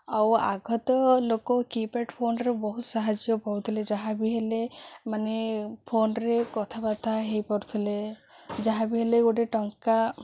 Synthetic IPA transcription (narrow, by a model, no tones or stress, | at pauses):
awa̰ɡʱɔt̪ɔlokɔkipeʈpʰonɾebɔɦut̪saɦad͡ʒijɔpɔɾut̪ʰiled͡ʒaɦabiɦelemanepʰonɾekɔt̪ʰabat̪ʰaɦejpɔɾut̪ʰiled͡ʒaɦabiɦeleɡoʈeʈɔŋka